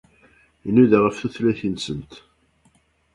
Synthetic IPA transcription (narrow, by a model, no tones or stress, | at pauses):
inuðaʁəfθuθlæθinsənt̪